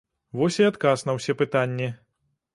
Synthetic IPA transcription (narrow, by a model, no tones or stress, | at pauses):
vɔsʲiat̪kasnɐwsʲɛpɨt̪anʲːi